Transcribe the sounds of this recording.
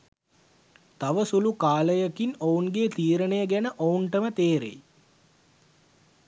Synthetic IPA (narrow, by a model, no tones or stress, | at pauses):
t̪aʋəsulukaːləjəkinounɡeːt̪iːɾənejəɡænəʔouɳʈəmət̪eːɾḛj